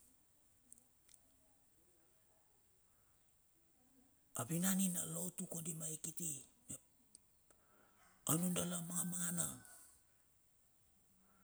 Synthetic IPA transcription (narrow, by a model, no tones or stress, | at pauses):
abinanina̰lowtukodimaikitime | onundalamaŋamaŋanaŋ